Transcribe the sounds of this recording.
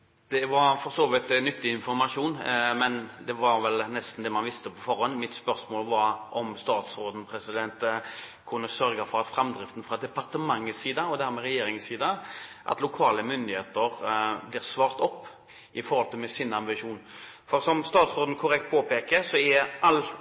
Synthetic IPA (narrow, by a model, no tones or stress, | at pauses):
d̪̥ɛʋɑɾfɔʁsoːʋɪt̪nʏt̪ːɪɪnfɔɾmɑʂuːnmɛnd̪ɛʋɑɾʋɛlnɛst̪n̩d̪ɛmɑnʋɪst̪əpʰɔfɔɾhɔnːmɪt̪spœɾsmoːlʋɑɾʔɔmst̪ɑːt̪sɾoːd̪n̩pʰɾɛsɪd̪ɛnt̪kʰʊnːəsœɾɡəfɔɾɑt̪fɾɛmd̪ɾɪft̪n̩fɾɑd̪ɛpɑɾt̪əmɑŋːəsiːd̪ɑɔd̪æɾmɛɾɛjeːɾɪŋəsiːd̪ɑʔɑ̰t̪lʊkʰɑːləmʏnd̪ɪheːt̪əɾblɪːʁsʋɑːɾt̪ɔpː | ʔɪfɔɾhɔlt̪ʰəmɛsɪnɑmbɪʂuːnfɔɾsɔmst̪ɑːt̪sɾoːd̪n̩kʰʊɾɛkt̪̚pʰoːpeːkəsɔɛʔɑlː